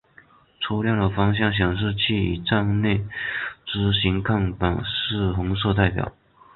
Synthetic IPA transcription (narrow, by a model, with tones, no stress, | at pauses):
ʈ͡ʂʰu˧˥ljɑ˥˩ŋd̪ə˩fɑ˥ŋɕ̬jɑ˥˩ŋɕ̬jɑ˨˩ŋʂ̬ɻ̩˥˧t͡ɕʰi˥˩ḭ˨˩ʈ͡ʂɑ˥˧ŋne˥˩ɪʈ͡ʂɻ̩˥ɕi˧˥ŋkʰɑ˥˩ŋp̪a˨˩nʂɻ̩˥˩xʊ˧˥ŋʂ̬ɤ˥˧t̪a˥˩ɪpjɑ̰˨˩˦ʊ